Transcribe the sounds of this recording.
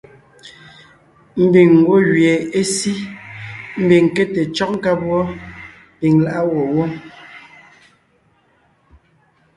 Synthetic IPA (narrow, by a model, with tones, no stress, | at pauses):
m̩˦bi˨ŋ̩ː˨ɡwo˦ɣɥje˨e˦si˦ | m̩˦bi˨ŋ˨ke˦te˨t͡ʃɔ˦k̚ŋ̩˦ka˦pwɔ˦ | pi˨ŋla˦ʔa˦wɔ˨wɔ˦